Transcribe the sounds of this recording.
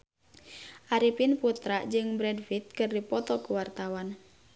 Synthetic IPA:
ʔaɾipinput̪ɾaʔd͡ʒɨŋbɾɛdfit̪̚kɨrdipɔt̪ɔkuwart̪awan

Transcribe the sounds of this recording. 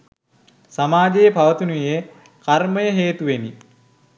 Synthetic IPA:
samaːd͡ʒejəpaʋət̪unuje | karməjəɦeːt̪uʋeni

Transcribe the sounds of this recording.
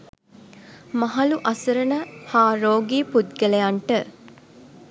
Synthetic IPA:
mɐɦɐluʔɐsəɾənəhaːɾoːɡiːpud̪ɡelejaɳʈə

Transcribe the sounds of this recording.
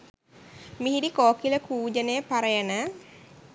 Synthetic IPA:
miɦidikoːkiləkuːd͡ʒənejəpaɾəjənə

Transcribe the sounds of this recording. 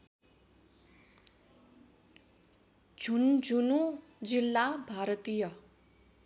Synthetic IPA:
d͡zʱund͡zʱunu | d͡zilːabʱaɾʌt̪ijʌ

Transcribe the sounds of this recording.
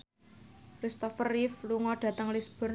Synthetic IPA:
kɾist̪ɔfərifluŋɔɖ̥ä̤t̪əŋlisb̥ɔ̤r

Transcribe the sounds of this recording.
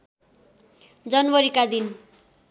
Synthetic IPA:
d͡zʌnbʌɾikad̪in

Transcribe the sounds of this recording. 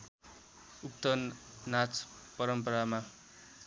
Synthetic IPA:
uk̚t̪ʌnnat͡spʌɾʌmpʌɾama

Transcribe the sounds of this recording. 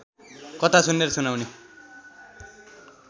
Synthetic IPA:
kʌt̪asunːeɾʌsunawne

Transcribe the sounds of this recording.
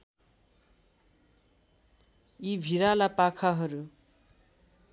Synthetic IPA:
ibʱiɾalapakʰaɦʌɾu

